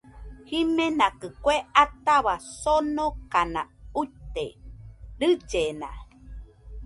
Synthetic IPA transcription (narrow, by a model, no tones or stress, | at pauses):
himẽnakɨkweat̪aβasonokanã̰ut̪ḛɾɨd͡ʒenã̰